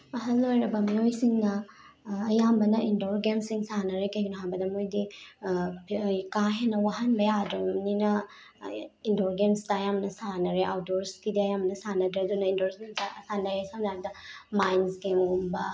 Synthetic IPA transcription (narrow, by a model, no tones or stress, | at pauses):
ɐɦɐlːojɾɐbɐmiojsiŋnɐː | jambɐnɐindoɾɡensiŋsanɐɾekɐjunɦambɐdɐmojdi | kaɦenːɐwaɦɐnbɐjadɾomninɐ | indoɾɡensdɐɐjamnɐsanɐɾeʔawdoɾskidiɐjambɐnɐsanɐdɾɐdunɐindoɾsmenasanɐɾesanaɾ̚dɐmajnsɡemɡumbɐ